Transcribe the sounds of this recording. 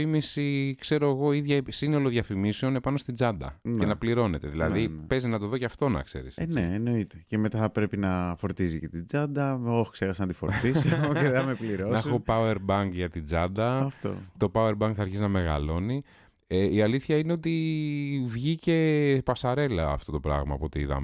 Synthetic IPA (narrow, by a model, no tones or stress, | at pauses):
imisikse̞ɾo̞eɣo̞iðʝɐsino̞lo̞ðʝɐfimise̞one̞pɐno̞st̪id͡zɐnd̪ɐ̰ncenɐpliɾo̞ne̞t̪e̞ðilɐ̰ðipe̞zinɐt̪o̞ðo̞ceɐft̪onɐ̰kse̞̰ɾḭseneːno̞it̪ecemet̪ɐθɐpɾe̞pinɐfo̞ɾt̪izicet̪id͡zɐd̪ɐoxkseɾɐsɐnɐt̪ifoɾt̪isoeeɐmepliɾonopɐweɾbɐŋɡʝɐt̪id͡zɐd̪ɐɐft̪o̰t̪o̞pɐweɾbɐŋɡ̚θɐɾçiznɐme̞ɣɐ̰lo̞ni | eiɐliθçɐineo̞t̪̬i | vʝice̞pɐsɐɾe̞lɐːft̪o̞t̪o̞pɾɐ̰ɣmɐpuot̪iiðɐ̰m